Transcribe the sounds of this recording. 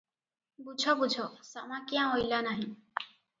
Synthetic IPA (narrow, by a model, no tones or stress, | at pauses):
bud͡ʒʰʱɔbud͡ʒʱɔsamakiãojlanaɦĩ